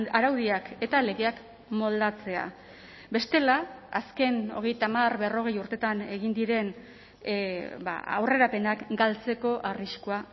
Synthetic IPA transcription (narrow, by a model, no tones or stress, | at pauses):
aɾawðiake̞t̪ale̞ɣeak | mo̞ld̪at͡se̞a̰ | be̞st̪e̞laaske̞no̞̰ɣe̞jt̪amarβe̞ro̞ɣe̞juɾt̪e̞t̪ane̞ɣind̪iɾe̞n | ba̰a̰wre̞ɾape̞nakɡalt͡se̞ko̞ʔariskoa